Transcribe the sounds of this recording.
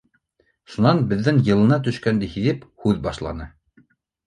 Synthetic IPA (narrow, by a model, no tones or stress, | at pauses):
ʃunɑnbɘ̆ðːɘŋjɤ̆lˠɤ̆nɑt̪̬ɵ̆ʃkænd̪ɘhiðɘphʉðbɑʃlˠɑ̰nɤ